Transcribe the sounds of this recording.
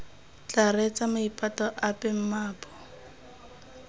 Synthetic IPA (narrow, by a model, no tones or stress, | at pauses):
t͡ɬarɛt͡sʼamaipʼatɔʔapʼɛm̩maːpʼɔ̥